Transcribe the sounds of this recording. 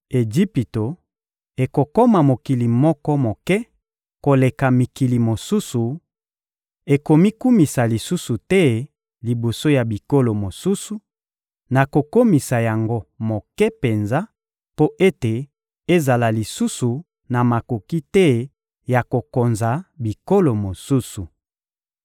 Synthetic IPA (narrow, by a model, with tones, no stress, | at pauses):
e˨d͡ʒi˦pi˨to˨ | e˨ko˨ko˦ma˨mo˨ki˨li˨mɔ˦kɔ˦mo˨kɛ˦ | ko˨le˨ka˨mi˨ki˨li˨mo˨su˦su˨ | e˨ko˨mi˦ku˦mi˨sa˨li˨su˦su˨tɛ˦ | li˨bo˨so˦ja˨bi˨ko˦lo˨mo˨su˦su˨ | na˨ko˨ko˦mi˨sa˨ja˨ŋɡo˦mo˨kɛ˦pe˨nza˦ | po˦ʔe˦te˨ | e˦za˨la˨li˨su˦su˨ | na˨ma˨ko˨ki˦tɛ˦ | ja˨ko˨ko˨nza˨bi˨ko˦lo˨mo˨su˦su˨